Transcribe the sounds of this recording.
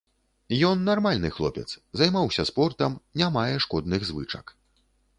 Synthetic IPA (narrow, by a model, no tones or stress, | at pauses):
jɔnːarmalʲnɨxlˠɔ̰pʲɛ̰t̪szajmawsʲɐspɔrt̪ɐmnʲamajɛʂkɔd̪nɨɣzvɨt͡ʂɐ̰k